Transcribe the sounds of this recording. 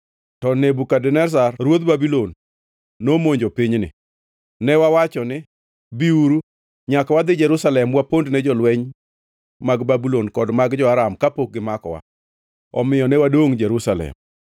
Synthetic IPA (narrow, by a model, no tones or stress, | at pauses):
tɔnebukadɛnɛs̬arɾwod̪babilonː | omoɲd͡ʒopɪɲnɪ̰ | nɛwawat͡ʃɔnɪ | biuɾu | ɲakwad̪ɪd͡ʒɛɾusalɛmwapondnɛd͡ʒɔlwɛɲ | maɡbabilonkɔdmaɡd͡ʒɔaɾamkapok̚ɡɪmakɔ̰wa̰ | ɔ̰mɪjɔnɛwadoŋd͡ʒɛɾusalɛ̰m